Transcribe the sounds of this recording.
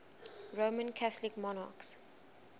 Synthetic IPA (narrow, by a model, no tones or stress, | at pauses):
ɹomə̃nkʰaθlɪkmɔna̰ks